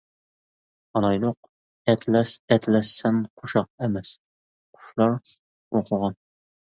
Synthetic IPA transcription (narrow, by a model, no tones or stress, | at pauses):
ɑnɑjlˠʊq | ɛt̪ʰlæsɛt̪læsːɛnqʰuʃɑq̚emɛs | qʰʊ̥ʃlˠɑɾ | woqʰəʁɑn